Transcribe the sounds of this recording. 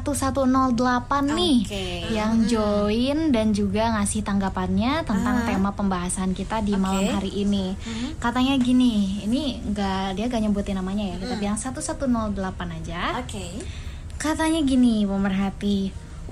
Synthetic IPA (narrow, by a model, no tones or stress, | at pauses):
at̪usat̪unɔldəlapanːɪhk | jaŋd͡ʒoɪndand͡ʒuɡaŋasɪht̪aŋɡapanɲat̪ənt̪aŋt̪emapəmbaɦasaːnkit̪adimalamɦaɾiʔini | kat̪aɲaɡiniiniŋɡaʔdiaŋɡaʔɲəmbut̪inamaɲajakit̪apijaŋsat̪usat̪unɔldəlapanad͡ʒake | kat̪aɲaɡinipəmərɦat̪i